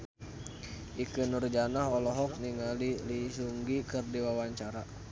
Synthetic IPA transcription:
ʔikənurd͡ʒanaɦɔlɔɦɔk̚niŋalilisuŋɡikɨrdiwawaɲt͡ʃaɾa

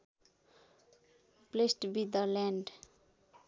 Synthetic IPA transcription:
plesʈbid̪əlɛ̃ɳɖ

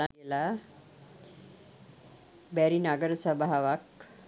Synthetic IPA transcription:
ajela | bæɾinaɡəɾəsəbaɦaʋak

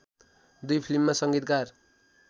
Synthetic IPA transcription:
d̪ujpʰilimːasʌŋɡit̪̚kar

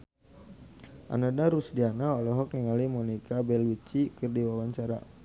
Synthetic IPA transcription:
ʔa̰nanaɾusdianaɔlɔɦɔk̚niŋalimɔnikabɛlwit͡ʃikɨrdiwawaɲt͡ʃaɾa̰

